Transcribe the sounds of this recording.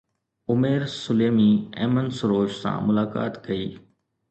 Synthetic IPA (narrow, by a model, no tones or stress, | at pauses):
ʊmeːɾsʊleːmiːɛːmənsʊɾoːʃsã̰ːmʊlaːka̰ːt̪kɐiː